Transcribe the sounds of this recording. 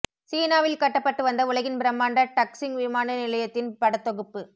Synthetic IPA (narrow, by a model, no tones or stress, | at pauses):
siːnaːʋɪlkɐʈːɐpːɐʈːɯʋɐnd̪ɐʊɭɐɣɪnbɪɾɐmːaːɳɖɐʈɐksɪŋʋɪmaːnɐnɪlɐjɐt̪ːɪnpɐɽɐt̪ːɔɣɯpːɯ